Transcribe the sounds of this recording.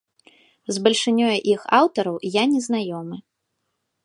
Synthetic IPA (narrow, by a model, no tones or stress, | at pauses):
zbɐlʲʂɨnʲɔjɐʔixawt̪ɐɾɐwjanʲɛznajɔmɨ